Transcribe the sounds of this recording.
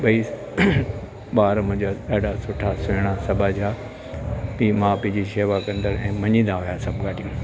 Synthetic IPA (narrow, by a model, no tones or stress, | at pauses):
ɓɐiː | ɓaːɾmʊ̃ɦd͡ʑaɗaːɖʱasʊʈʰasʊɪɽ̃asɐbʱad͡ʑaː | piːmãːpid͡ʑiʃeːʋakɐ̃nd̪əɾɛ̃ːmɐɲĩːnd̪aɦʊjasɐbʱɡaːɖʱijũ